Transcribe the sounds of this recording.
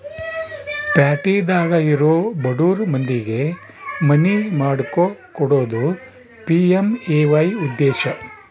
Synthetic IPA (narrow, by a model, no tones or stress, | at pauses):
paːʈiːd̪aːɡɐiɾoːbɐɽuːɾmɐnd̪iɡe̞ | mɐnimaːɽkokɔɽo̞ːd̪u | piemeːʋɐjud̪ːɛːʃɐ